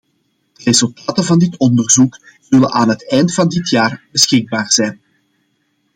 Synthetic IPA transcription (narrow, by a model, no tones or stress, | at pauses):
d̥ərezɵlˠtaːtəvɑndɪtɔndərzuk | zɵlənʔaːnɦətɛjntfɑndɪtjaːrb̥əsxɪɡ̚baːrz̥ɛjn